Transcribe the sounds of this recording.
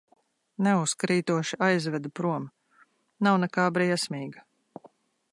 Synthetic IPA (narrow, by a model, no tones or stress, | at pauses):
nɛuskɾiːt̪uɔʃiajzvɛd̪upɾuɔm | nawnɛkaːbɾiɛsmʲiːɡa